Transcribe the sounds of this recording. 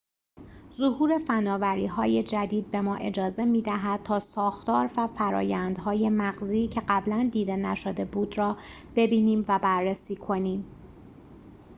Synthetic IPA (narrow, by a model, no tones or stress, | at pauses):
zohuːɾe̞fænɒːvæɾḭːɦɒːje̞d͡ʒæd̪iːd̪̚be̞mɒːʔe̞d͡ʒɒːze̞miːd̪æɦæd̪̥̚t̪ʰɒːsɒːxt̪ɒːɾvæfæɾɒ̰ːjænd̪ɦɒːje̞mæɣziːcʰeɢæblænd̪iːd̪e̞næʃod̪e̞buːd̪rɒː | b̥e̞biːniːmvæbærːesiːkʰo̞niːm